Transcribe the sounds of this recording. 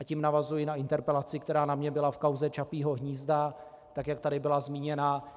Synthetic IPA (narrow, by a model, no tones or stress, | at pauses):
ʔacimnavazujɪnaɪnt̪ɛɾpɛlat͡sɪkt̪ɛɾaːnamɲɛbɪlafkawzɛt͡ʃapiːɦo̞ɦɲiːzda | t̪akjak̚t̪adɪbɪlazmiːɲɛnaː